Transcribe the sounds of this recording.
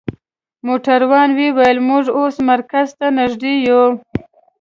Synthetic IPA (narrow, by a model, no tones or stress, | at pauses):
moʈaɾwɑnwewajəlmʊʐosmaɾkazt̪anaʒd̪eju